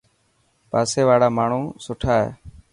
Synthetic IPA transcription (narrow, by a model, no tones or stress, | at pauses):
paːseːʋaːɽaːmaːɳ̤ũːsʊʈʰaːɦḛː